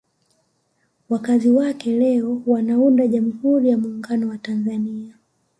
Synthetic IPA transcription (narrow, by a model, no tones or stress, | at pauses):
wakaziwakɛlɛɔwanaundaʄam̩huɾijamuːŋɡanɔwatanzania